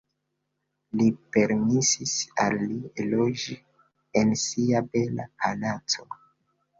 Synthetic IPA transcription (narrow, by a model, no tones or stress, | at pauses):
lipe̞ɾmisisa̰lːielo̞d͡ʒi | ensiabe̞la̰pʰanat͡so